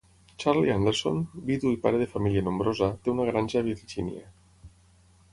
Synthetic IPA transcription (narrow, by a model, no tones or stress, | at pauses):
t͡ʃaɾliand̪eɾso̰nbiðuipa̰ɾeðefamilianombɾozat̪eunaɣɾanʲʒaβiɾʒḭnḭa̰